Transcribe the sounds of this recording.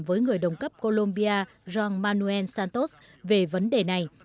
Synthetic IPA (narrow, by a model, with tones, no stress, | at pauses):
mvəː˨˦jŋɨ˨˩əjɗə˨˩wŋ͡mkə˦˥p̚ko˧lo˧mɓi˧aː˧ | zaː˧nmaː˧nu˧ɛ˧nsaː˧nt̪o˦˥s | ve˨˩və˨˦nɗe˨˩na˨˩j